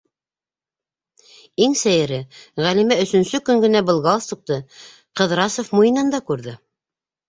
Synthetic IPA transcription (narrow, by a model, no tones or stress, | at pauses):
iŋsæjɘ̆ɾɘʁælimæɵ̆sɵ̆nsɵkɵŋɡɘ̆næbɤ̆lˠɡɑlˠst̪uq̚t̪ɤ | qɤ̆ðɾɑsofmujɤ̆nɑnd̪ɑkʉɾðɘ